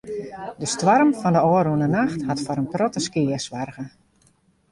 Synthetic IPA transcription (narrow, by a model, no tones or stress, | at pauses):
dəstʋɔrmfɔndəɔːərunənaxthatfɔɾənprɔtəskɪəsʋarɣə